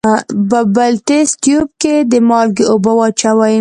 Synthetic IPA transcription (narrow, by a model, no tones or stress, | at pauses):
bəbalt̪est̪job̚ked̪əmɑlɡeobawɑt͡ʃawaj